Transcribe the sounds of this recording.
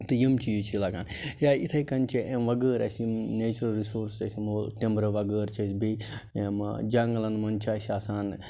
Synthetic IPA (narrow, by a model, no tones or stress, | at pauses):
t̪ɨjimt͡ʃʰijut͡ʃʰilɐɡaːn | jaːit̪ʰɐikɐnt͡ʃʰiʔemʋɐɡəːɾɐ̰sneːt͡ʃɾɐlɾisoːɾsɐsimoːt̪imbɾɐʋɐɡəːɾt͡ʃʰɐsʲbiemd͡ʒɐŋɡlɐnmɐnt͡ʃʰaːsʲaːsaːn